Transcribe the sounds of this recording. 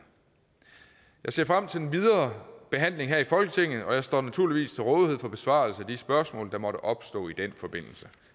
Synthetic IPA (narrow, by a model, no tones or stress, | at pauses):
jɑ̈ɪse̝ɐ̰fʁam̰t͡sʰe̝le̝nʋiðˠɐːb̥e̝ɦæn̰le̝ŋɦæɐifɒ̽lɡ̥ət͡sʰe̝ŋ̰ð̩ˠɒ̽jɑ̈ɪsd̥ɒ̰ːnæt͡sʰuɐliʋḭːst͡sʰe̝lʁɔːðˠihe̝ð̰ˠfɒ̽b̥e̝sʋɑ̈ːlsəæd̥isb̥ɶɐsmɔ̰̽ːld̥ɑ̈mɒ̽ɾ̥əʔɒ̽b̥sd̥ɔ̰̽ːid̥enfɒ̽b̥e̝n̰l̩sə